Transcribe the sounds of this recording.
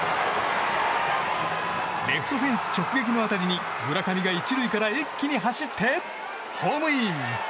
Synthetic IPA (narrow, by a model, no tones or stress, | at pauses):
ɾe̞ɸɯ̥t̪o̞ɸẽ̞ɰ̃sɨ̥t͡ɕo̞kɯ̟ɡe̞kʲino̞at̪aɾʲiɲ̟i | ɡɯɾakamʲiɡait͡ɕiɾɯikaɾaekʲːiɲ̟iɦaɕit̪ʰːe̞ | hoːmɯ̟im